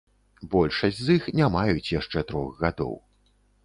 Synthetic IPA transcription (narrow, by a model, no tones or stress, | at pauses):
bɔlʲʂɐsʲzixnʲamajut͡sʲjaʂt͡ʂɛt̪ɾɔxɣad̪ɔ̰w